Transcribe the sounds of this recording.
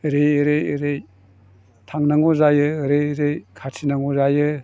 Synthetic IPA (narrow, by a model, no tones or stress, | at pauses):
ɾejɾejɾej | tʰaŋnaŋɔzajɯɾejɾejkʰatʰinaŋɔzajɯ